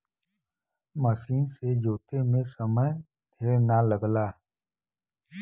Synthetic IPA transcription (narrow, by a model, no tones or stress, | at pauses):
məsiːnsed͡ʒoːt̪emẽsəməj | t̪ʰeːɽnaləɡlaː